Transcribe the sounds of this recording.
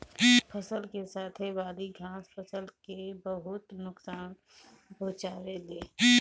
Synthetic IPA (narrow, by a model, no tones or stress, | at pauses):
pʰəsəlkesaːt̪ʰeʋaːd̪iɡʱãːspʰəsəlkebɐɦʊt̪nʊksaːn | bʱoːt͡ʃaːɾeleː